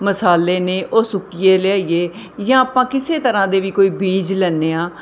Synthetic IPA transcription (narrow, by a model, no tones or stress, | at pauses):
məsaːleːneːʔoːsʊkijeːleːaːieː | jãːaːpãːkɪseːt̪əɾãːd̪eːʋiːkoːiːbiːd͡ʒlɛːnːeːãː